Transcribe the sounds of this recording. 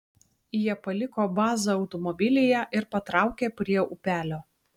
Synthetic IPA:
jiɛpɐlʲɪkoːbɑːzɐɒʊt̪ɔmɔbʲɪlʲɪjɛʔɪɾpɐt̪ɾɑˑʊkʲeːpʲɾʲiɛʊpʲæːlʲoː

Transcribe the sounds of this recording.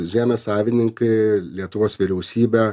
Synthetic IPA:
ʒʲæːnɐsɑːʋʲɪnʲɪŋkɐɪlʲiɛt̪ʊʋoːsʋʲɪɾʲɛʊsʲiːbʲɛ

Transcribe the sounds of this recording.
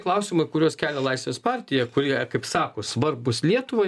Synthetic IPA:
klˠɐʊsʲɪmɐɪkʊɾʲoːskʲæːlʲɛlˠɐɪsʲʋʲeːspɑːɾʲt̪ʲɪjɛkʊɾʲikɐɪpsɑːkoːsʋɐɾbʊslʲiɛt̪ʊʋoː

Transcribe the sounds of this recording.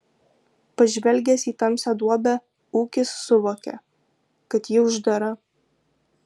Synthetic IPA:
pɐʒʲʋʲɛlʲɡʲɛsiːt̪ɐmsʲɛd̪uɔbʲæ | uːkʲɪsːʊʋoːkʲɛ̰ | kɐt̪jɪʊʒd̪ɐɾɐ

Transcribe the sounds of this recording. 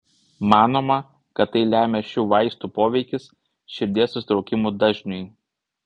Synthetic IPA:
mɑːnoːmɐ | kɐt̪ːɐɪlʲæːmʲeʃʲuːʋɐɪst̪uːpoːʋʲɛɪkʲɪs | ʃʲɪɾʲd̪ʲeɛsʊsʲɪt̪ɾɒʊkʲɪmuːd̪ɐʒʲnʲʊj

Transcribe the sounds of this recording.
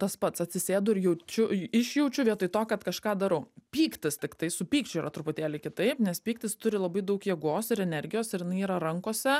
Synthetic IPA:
t̪ɐspɐt̪sɐt̪ʲsʲɪsʲeːd̪ʊɪɾjɛʊt͡ʃʲʊɪʃjɛʊt͡ʃʲʊʋʲiɛt̪ʊɪt̪oːkɐt̪kɐʃkɑːd̪ɑɾɐpʲiːkt̪ʲɪst̪ʲɪkt̪ɐɪsʊpʲiːkt͡ʃʲʊiːɾɐt̪ɾʊpʊt̪ʲeːlʲɪkʲɪt̪ɐɪpnʲɛspʲiːkt̪ʲɪst̪ʊɾʲɪlˠɐbɐɪd̪ɐʊkjiɛɡoːsɪɾɛnʲɛɾʲɡʲɪjoːsɪɾjɪnɐɪiːɾɐɾɐŋkoːsʲɛ

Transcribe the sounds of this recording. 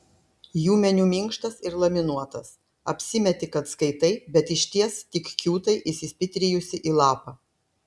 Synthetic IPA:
juːmʲɛnʲuːmʲɪŋkʃt̪ɐsɪɾlˠɐmʲɪnuɔt̪ɐs | ɐ̰pʲsʲɪmʲɛt̪ʲɪkɐt̪skɐɪt̪ɐɪbʲɛt̪ɪʃʲt̪ʲiɛst̪ʲɪkkʲuːt̪ɐɪʔɪsʲɪsʲpʲɪt̪ʲɾʲɪjʊsʲɪʔiːlˠɑːpɑː

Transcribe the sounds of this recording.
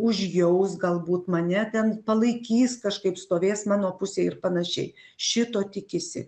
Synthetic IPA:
ʊʒʲjɛʊsɡɐlˠbuːt̪mɐnʲɛt̪ʲɛnpɐlˠɐɪkʲiːskɐʃkɐɪpst̪oːʋʲeːsmɑːnoːpʊsʲeːɪɾpɐnɐʃʲɛ̰ɪ | ʃʲɪt̪oːt̪ʲɪkʲɪsʲɪ̰

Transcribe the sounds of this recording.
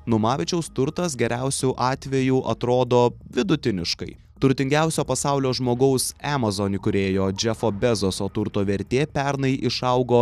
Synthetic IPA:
nʊmɑːʋʲɪt͡ʃʲɛʊst̪ʊɾt̪ɐsɡʲɛɾʲæʊsʲuʔɑːt̪ʲʋʲɛjuːʔɐt̪ɾoːd̪oːʋʲɪd̪ʊt̪ʲɪnʲɪʃkɐɪ | t̪ʊɾʲt̪ʲɪŋʲɡʲæʊsʲoːpɐsɑˑʊlʲoːʒmoːɡɐʊsæmɐzoːnʲɪkʊɾʲeːjoːd͡ʒʲɛfoːbʲɛzosoːt̪ʊɾt̪oːʋʲɛɾʲt̪ʲeːpʲæɾnɐɪʔɪʃɐʊɡoː

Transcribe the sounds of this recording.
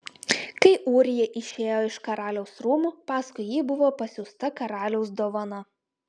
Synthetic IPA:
kɐɪʔuːɾʲɪjɛʔɪʃʲeːjoːɪʃkɐɾɑːlʲɛʊsɾuːmuːpɑːskʊɪjiːbʊʋoːpɐsʲʊst̪ɐkɐɾɑːlʲɛʊsd̪oːʋɐnɐ

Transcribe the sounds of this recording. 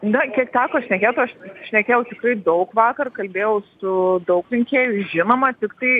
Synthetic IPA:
nɐkʲiɛkt̪ʲæːkoːʃʲnʲɛkʲeːt̪ʊɐʃʃʲnʲɛkʲeːjɛʊt̪ʲɪkrɐɪd̪ɐʊkʋɑːkɐrkɐlʲbʲeːjɛʊsʊd̪ɐʊkrʲɛŋʲkʲeːjʊʒʲɪnoːmɐt̪ʲɪkt̪ɐɪ

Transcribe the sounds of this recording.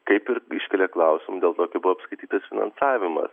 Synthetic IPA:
kɐɪpɪɾɪʃʲkʲɛlʲɛklˠɐʊsʲɪmʊd̪ʲeːlˠt̪oːkʲɐɪbʊʋoːpskɐɪt̪ʲiːt̪ɐsfʲɪnɐ̰nsɑːʋʲɪmɐ̰s

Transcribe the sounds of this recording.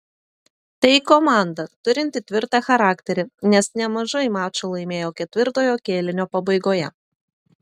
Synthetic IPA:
t̪ɐɪkɔmɑˑnd̪ɐt̪ʊɾʲɪnʲt̪ʲɪt̪ʲʋʲɪɾt̪ɑxɐɾɑːkʲt̪ʲɛɾʲɪnʲɛsnʲɛmɐʒɐɪmɑːt͡ʃolˠɐɪmʲeːjoːkʲɛt̪ʲʋʲɪɾt̪oːjoːkʲeːlʲɪnʲoːpɐbɐɪɡoːjɛ

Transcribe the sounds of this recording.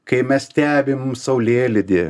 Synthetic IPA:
kɐɪmʲɛst̪ʲæːbʲɪmsɐʊlʲeːlʲɪd̪ʲeː

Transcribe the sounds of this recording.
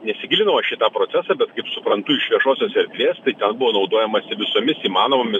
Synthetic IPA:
nʲɛsʲɪɡʲɪlʲɪnɐʋɐʃʲɪt̪ɑːpɾoːsʲæːsɑːbʲɛt̪kɐɪpsʊpɾɐnt̪ʊɪʃʋʲiɛʃoːsʲoːsɛɾʲd̪ʲʋʲeːst̪ɐɪt̪ʲɛnbʊʋoːnɒʊd̪oːjɛmɐsʲɪʋʲɪsoːmʲɪsiːmɑːnoːmomʲɪs

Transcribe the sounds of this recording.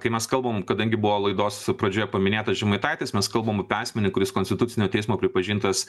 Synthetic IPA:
kɐɪmʲɛskɐlˠboːmkɐd̪ɐŋʲɡʲɪbʊʋoːlˠɐɪd̪oːspɾɐd͡ʒʲoːjɛpɐmʲɪnʲeːt̪ɐsʒʲɛmɐɪt̪ɑɪt̪ʲɪsmʲɛskɐlˠbɐːmɐpʲɑːsʲmʲɛnʲɪkʊɾʲɪskonʲsʲt̪ʲɪt̪ʊtt͡s̪ʲɪnʲoːt̪ʲɛɪsmoːpʲɾʲɪpɐʒʲiːnt̪ɐs

